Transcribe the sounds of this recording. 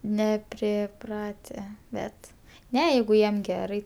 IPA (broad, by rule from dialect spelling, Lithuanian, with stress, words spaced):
nʲɛpʲrʲɪˈprɑːtʲɛ ˈbʲɛt ˈnʲɛ ˈjɛɪɡʊ ˈjiɛm ˈɡʲæːrɐɪ